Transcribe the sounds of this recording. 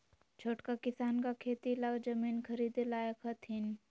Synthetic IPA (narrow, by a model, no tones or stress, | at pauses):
t͡ʃʰoːʈkakɪsaːnkakʰeːt̪ilaɡd͡ʒəmiːnkʰəɾiːd̪elaːjakʰɐt̪ʰin